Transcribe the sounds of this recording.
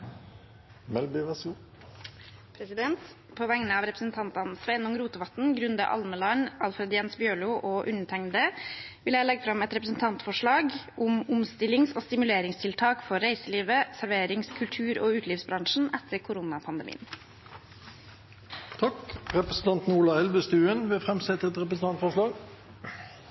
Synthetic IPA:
mɛlbɪʋɛsu | pʰɾɛsɪd̪ɛnt̪ | pʰoːʋɛŋnəɑːʋɾɛpɾəsn̩t̪ʰɑnt̪ɑnsʋɛɪnʊŋɾuːt̪əʋɑt̪n̩ɡɾʉnd̪ə̰ʔɑ̰lməlɑnɑlfɾɛd̪jɛnsbjøːɭuːʔoːʔʉnəʈ̪ʰɛŋd̪ə | ʋɪljæɪlɛɡfɾɑmɛt̪ɾɛpɾəsn̩t̪ʰɑnt̪fɔʂɭɑːɡʔʊmʊmst̪ɪlɪŋsoːst̪ɪmʉleːɾɪŋst̪ʰɪlt̪ʰɑːkfɔːæɪsəliːʋəsæɾʋeːɾɪŋskʰʉlt̪ʰʉːɾoːʉːt̪ʰliːʋsbɾɑŋʂn̩ʔɛt̪ʰːəɾkʰʊɾʊnɑpʰɑnd̪əmḭːən | t̪ʰɑkɾɛpɾəsn̩t̪ʰɑnt̪n̩uːlɑɛlbəst̪ʉːənʋɛfʁɛmsɛt̪əɛt̪ʁɛpɾəsn̩t̪ɑnt̪fɔʂɭɑːɡ

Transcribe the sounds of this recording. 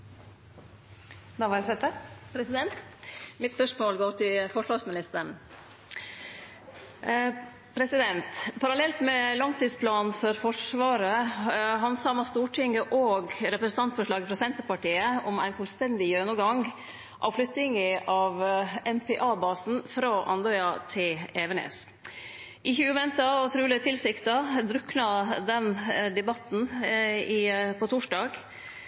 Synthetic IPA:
d̪ɑʋɑɾsɛt̪ːəpʰɾɛsɪd̪ɛnt̪mɪt̪spœʂmoːlɡoːɾʈ̪ɪlfɔʂʋɑɾsmɪnɪst̪əɳ | pʰɾɛsɪd̪ɛnt̪pʰɑɾɑlɛlt̪mɛlɑŋt̪iːd̪spʰlɑːnfɔɾfɔʂʋɑːɾəɦɑnsɑːmɑst̪uːʈʰɪŋɡəʔoːɡɾɛpɾəsn̩t̪ɑnt̪fɔʂɭɑːɡəfɾɑsɛnt̪əɾpɑʈiːəɔmæ̰ɪnfʉlst̪ɛnd̪ɪjøːnəɡɑŋɡ | ʔɑ̰ʋflʏt̪ːɪŋəʔɑːʋɛnpʰɛʔɑːbɑːsn̩fɾɑʔɑ̰nd̪ɔʏɑt̪ʰɪlɛʋəɳḛːs | ʔɪçʉʉːʋɛnt̪ɑɔt̪ʰɾʉːləət̪ʰɪlsɪkt̪ɑd̪ɾʉknɑd̪ɛnd̪ɛbɑt̪nɪpʰɔt̪ʰʊʂɖɑːɡ

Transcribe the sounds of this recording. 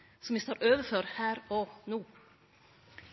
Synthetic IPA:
sɔmʋɪːst̪oːɾʔøːʋəføːɾhæːɾɔnuː

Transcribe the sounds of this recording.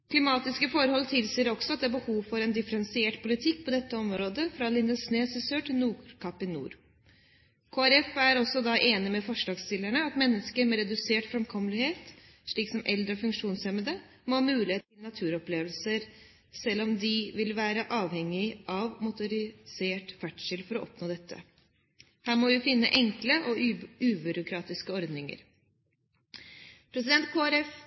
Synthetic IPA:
kʰlɪmɑːt̪ɪskəfɔɾhɔlːt̪ʰɪlsiːɾɔksɔɑt̪d̪ɛæbəhuːʋfɔɾɛnd̪ɪfəɾɛnsɪeːʈpʰʊlɪt̪ʰɪkːpʰɔd̪ɛt̪ːəɔmɾoːd̪əfɾɑlɪnd̪əsneːsɪsøːʈʰɪlnuːkʰɑpːɪnṵːɾ | kʰoːæɾɛfæɾɔsːɔd̪ɑʔeːnɪmɛfɔʂlɑːɡst̪ɪlːæɳəɑt̪mɛnːəskəɾmɛɾɛd̪ʉseːʈfɾɛmkʰɔmːəlɪheːt̪ | ʂɭiːksɔmʔɛld̪ɾəɔfʉŋkʂuːnsɛməd̪ə | momʉːlɪeːt̪ʰːɪlnɑt̪ʰʉːɾɔpleːʋəlsəɾ | sɛlːɔmd̪ɪʋɪlʋæːɾəʔɑːʋhɛŋːɪʔɑʋmʊt̪ʊɾɪseːʈfæʈʂɪlfɔɾɔʔɔpnoːd̪ɛt̪ʰːə̰ | hæːɾmɔʋɪjʊfɪnːə̰ʔɛŋkləʔɔʉːbʉɾʊkʰɾɑːt̪ɪskəɔɾd̪nɪŋə̰ɾ | pʰɾɛs̬ɪd̪ɛnt̪̚kʰoæɾɛf

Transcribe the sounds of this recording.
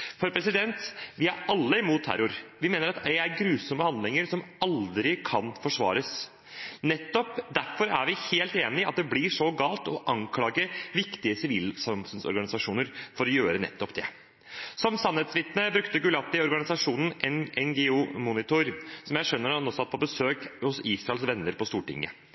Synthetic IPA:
fɔɾpʰɾɛsɪd̪ɛnt̪ʋɪæɾɑlːəɪmuːt̪ʰːæ̰ɾʊɾʋɪmeːnəɾɑt̪æɪæɾɡɾʉːsɔmːəhɑnd̪lɪŋəɾʂɔmɑld̪ɾɪkʰɑnfɔʂʋɑ̰ːɾəs | nɛt̪ːɔpd̪æɾfɔɾæ̰ɾʋɪheːlt̪eːnɪɑt̪̚d̪ɛblɪʂɔɡɑːlt̪ɔʔɑŋkʰlɑːɡəʋɪkt̪ɪəsɪʋiːlsɑmfʉnsɔ̰ɾɡɑnɪsɑʂuːnəɾfɔɾɔjøːɾənɛ̰t̪ːɔpd̪ɛ | sɔmsɑnheːt̪sʋɪt̪nəbɾʉkt̪əɡʉlɑt̪ːɪɔɾɡɑnɪsɑʂuːnn̩ɛnɛŋɡɛuːmunɪt̪ʊɾsɔmjæɪʂœnːəɾɑnoːsɑt̪̚ːpʰɔbəsøːkhʊsiːsɾɑɛlsʋɛnːəɾpɔst̪uːʈɪ̰ŋːə̰

